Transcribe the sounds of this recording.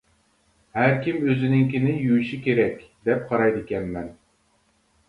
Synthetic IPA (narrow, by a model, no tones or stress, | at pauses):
hæɾkʲimøzɪnɪŋkʲinɪjyjʃikʲeɾɛkʲd̪ɛp̚qʰɑɾɑjd̪ɪkʲɛnmɛn